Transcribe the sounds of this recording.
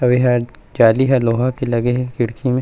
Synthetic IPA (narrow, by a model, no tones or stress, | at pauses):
ɐʋiɦa | d͡ʒaːliɦɛloːɦãkelɐɡeɦɛkɪɽkʰimẽ